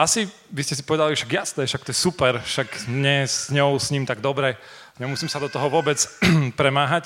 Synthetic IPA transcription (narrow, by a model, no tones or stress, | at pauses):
asi | ʋiscɛsipɔʋɛd̪aliʃaɡjast̪ɛʃak̚t̪ɔjɛsupɛɾʃakɲɛsɲɔʊsɲiːmt̪aɡd̪ɔbɾɛ | ɲɛmusimsad̪ɔt̪ɔɦɔʋʊɔbɛt͡spɾɛmaːɦac